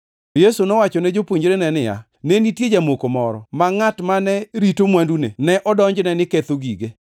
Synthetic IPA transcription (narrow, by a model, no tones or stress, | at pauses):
tojesunɔwat͡ʃɔnɛd͡ʒopwoɲd͡ʒɾenɛnɪja̰ | nenitjed͡ʒamokomɔɾɔ̰maŋatmanɛɾitomwandunḛnɛʔɔdɔɲd͡ʒnɛnɪket̪oɡiɡe